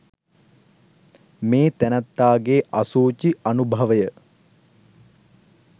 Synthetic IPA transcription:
meːt̪ænæt̪ːaːɡeːʔasuːt͡ʃianubʱɐʋəjə

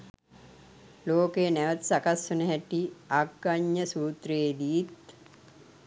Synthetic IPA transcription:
loːkenæʋət̪sakasːunəɦæʈiaɡːaɲːəsuːt̪reːd̪iit̪̚

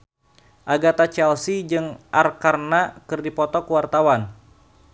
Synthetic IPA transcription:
ʔaɡat̪at͡ʃɛlsid͡ʒɨŋʔarkarnakɨrdipɔt̪ɔkuwart̪awan

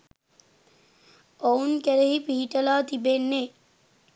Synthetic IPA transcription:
ownkɛɾeɦipiɦːʈɐlaːt̪ibenːe

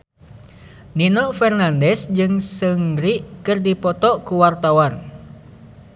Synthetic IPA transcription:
ninɔfɛrnandɛsd͡ʒɨŋsɨŋɾiʔkɨrdipɔt̪ɔkuwart̪awan

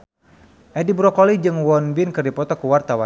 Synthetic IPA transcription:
ʔɛdibɾɔkɔlid͡ʒɨŋwɔnbinkɨrdipɔt̪ɔkuwart̪awa

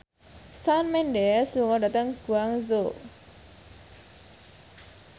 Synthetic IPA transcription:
sanmɛnɖɛsluŋɔdat̪əŋɡ̥uaŋzo

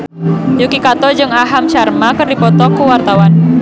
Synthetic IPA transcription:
jukikat̪ɔd͡ʒɨŋaɦamʃarmakɨrdipɔt̪ɔkuwart̪awan

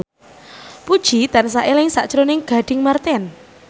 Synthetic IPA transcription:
pud̥ʒ̥id̪ans̬aʔelɪŋsa̰ʔt͡ʃɾonɪŋɡ̥a̤ɖ̥ɪŋmart̪ɛn

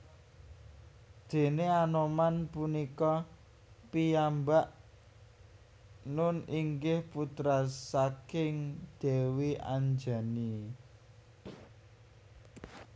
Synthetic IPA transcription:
d̪̥e̤neanomanpunikɔ | pijambaʔ | nʊniŋɡɪhput̪ɾasakɪŋd̪̥e̤wiʔa̰ɲd͡ʒa̤ni

